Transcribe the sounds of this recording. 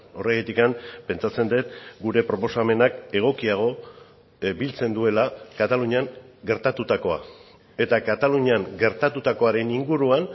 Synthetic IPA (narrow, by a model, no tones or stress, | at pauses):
o̞reɣet̪ikampe̞nt͡ʃat͡se̞nd̪et̪̚ɡuɾe̞pɾo̞po̞same̞nake̞ɣ̞o̞kiaɣ̞o̞ | bilt͡se̞nd̪ue̞lakat̪aluɲaŋɡe̞ɾt̪at̪ut̪ako̞a̰ | e̞t̪akat̪aluɲaŋɡe̞ɾt̪at̪ut̪ako̞aɾe̞niŋɡuɾuan